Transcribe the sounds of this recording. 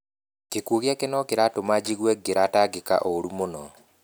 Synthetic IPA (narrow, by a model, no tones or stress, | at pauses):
kekuoɣjakenɔkeɾatomad͡ʒiɣwɛɡeɾataɡeka̰ʔoɾumonɔ